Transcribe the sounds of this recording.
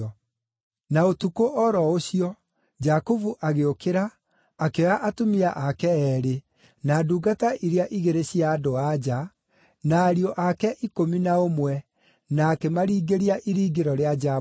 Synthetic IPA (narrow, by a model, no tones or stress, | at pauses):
ɔ | naotukoʔɔɾɔoɕiɔ | d͡ʒakovuʔaɣeokeɾaː | keɔaʔatomiaʔakɛɛːɾe | naːduːɡataʔiɾeaʔiɣeɾeɕiaːdoad͡ʒa | naːɾiɔʔakɛʔikominaomwɛ | naːkemaɾiːɡeɾiaʔiɾiːɡeɾɔɾead͡ʒa